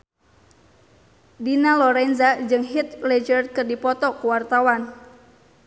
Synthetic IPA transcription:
dinalɔɾɛnzad͡ʒɨŋɦit̪lɛd͡ʒərkɨrdipɔt̪ɔkuwart̪awan

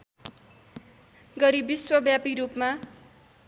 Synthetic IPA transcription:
ɡʌɾibiswʌbjapiɾupma

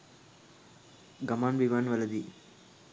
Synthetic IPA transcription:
ɡɐmaːnbiʋaːnʋɐlɐd̪i

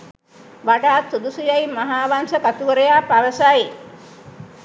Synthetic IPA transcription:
ʋaɖaːt̪sud̪usijajmaɦaːʋansəkat̪uʋəɾəjaːpaʋəsaji

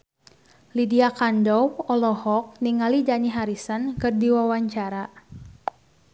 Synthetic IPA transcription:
lidiakandɔwɔlɔhɔk̚niŋalid͡ʒaniɦaɾisənkɨrdiwawaɲt͡ʃaɾa

